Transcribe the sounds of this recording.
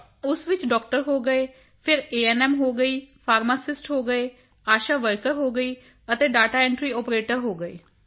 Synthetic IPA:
ʊsʋɪt͡ʃɖɔːk̚ʈəɾɦoːɡəeː | pʰɪɾeːɛːnɛːmɦoːɡəiːpʰaːɾmaːsɪsʈɦoːɡəeː | aːʃaːʋəɾkəɾɦoːɡəiː | ət̪eːɖaːʈaːɛ̃ːɳʈɾiːɔːpɾeːʈəɾɦoːɡəḛː

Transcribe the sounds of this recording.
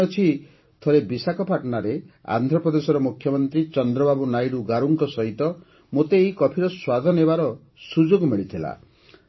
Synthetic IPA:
ɔt͡ʃʰi | t̪ʰoɾebisakɔpaʈnaɾea̰nd̪ʱɾɔpɾɔd̪esɔɾɔmukʰjɔmɔnt̪ɾit͡ʃɔnd̪ɾɔbabunajɾuɡaɾuŋkɔsɔɦit̪ɔ | mot̪eːɦikɔpʰiɾɔswad̪ʱɔnebaɾɔ | sud͡ʒoɡɔmiɭit̪ʰila̰

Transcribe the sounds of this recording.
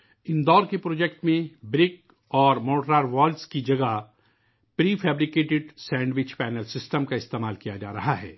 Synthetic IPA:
ɪ̃nd̪ɔːɾkepɾoːd͡ʒɛk̚ʈmẽbɾɪk | ɔːɾmoːʈɾaːɾʋaːlskid͡ʒɐɡa | pɾiːfʰɛːbɾɪkeːʈɪɖsɛ̃ːɳɖʋɪt͡ʃpɛːnəlsɪsʈəmkaɪst̪eːmaːlkijad͡ʒaːɾɐɦaɦɛ̰ː

